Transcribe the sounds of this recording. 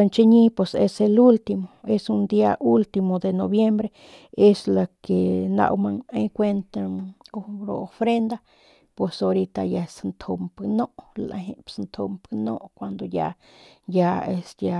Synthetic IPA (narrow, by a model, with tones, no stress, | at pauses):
e˧nt͡ʃe˦ɲi˦pwe˨sḛ˦se˧lu˦lt̪i˧mo˨e˦su˦nd̪ia˦ʔu˦lt̪imo˨d̪e˨no˨bje˦mbɾe˦ | e˦sla˨ke˨na̰˧wma˧ŋa˧jkʷe˦nt̪aŋoɾo˨o˧fɾe˦nd̪a˦ | pwe˨so˧ɾi˧t̪a˧ja˧snt̪ʰo˧mpno˦ʔla̰˧ɦe˧snt̪ʰo˧mpno̰˦ʔkʷwa˨nd̪o˨ja̰˧ | ja˧e˧sja˧